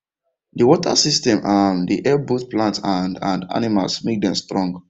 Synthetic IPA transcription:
diwɔtʰa̰sistɛ̃mʔamdiʔɛbotplãntandãnda̰nima̰lsmek̚dɛ̃mstɹɔ̃ŋɡ

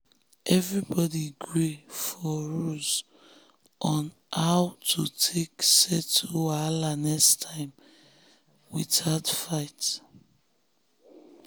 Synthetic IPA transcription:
ʔɛvɹibɔdiɡɹifɔɹuz | ʔɔ̃n | haʊtʰutʰeksɛtʰualanɛstʰãɪ̃m | wiðatfaɪt

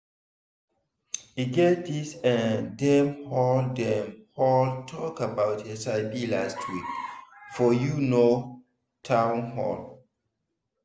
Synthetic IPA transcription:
iɡetdisɛ̃ndɛ̃mhɔldɛ̃mhɔltʰɔkabaʊtesaɪbilastʰikfɔjuno | tʰãʊ̃nhɔ̰l

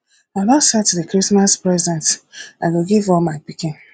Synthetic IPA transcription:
abasatuðɨkɹismaspɹɛzdɛ̃ntaɪɡoɡivɔlmaɪpikɪ̃n

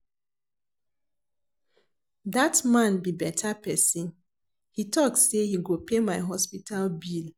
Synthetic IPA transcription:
datmãnbibɛtʰapɛsĩn | hitɔkssehiɡopemaɪɦɔspitalbil

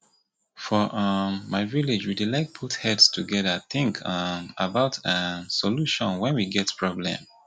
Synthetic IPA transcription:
fɔʔʌmːaɪvilid͡ʒwidilaɪk̚pʰuthɛdstʰuɡɛðəθɪ̃ŋkʰmabaʊtʰãsɔluʃɔ̃nwɛ̃nwiɡɛtpʰɹɔblɛ̰̃m

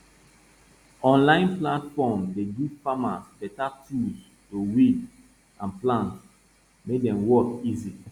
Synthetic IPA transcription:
ɔ̃nlãɪ̃nplãtfɔmdedufama̰sbɛtatʰus | towid | ãnplãnt | mek̚dɛ̃mwɔkizi

